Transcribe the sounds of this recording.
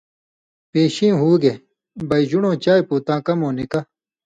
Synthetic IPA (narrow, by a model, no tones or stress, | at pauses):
peːɕĩːɦuːɡe | bɐjd͡ʑuɳõːt͡ɕaːjpuːt̪ãːkɐmõːnikɐ